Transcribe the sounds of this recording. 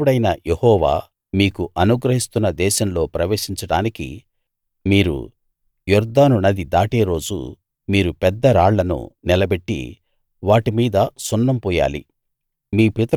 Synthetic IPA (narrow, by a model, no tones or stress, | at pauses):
uɽɐjnɐjehɔːʋa̰ː | miːkuʔɐnuɡɾɐɦist̪unːɐd̪ɛːʃɐmlo̞ːpɾɐʋeːʂiɲt͡ʃɐɽaːnikḭ | miːɾṵ | juɾd̪aːnunɐd̪id̪aːʈe̞ːɾo̞ːd͡ʒṵ | miːɾupɛd̪ːɐɾaːɭːɐnṵnɛlɐbe̞ʈːḭ | ʋaːʈimiːd̪ɐsɔnːɐmpɔːja̰ːlḭ | miːpit̪ɐ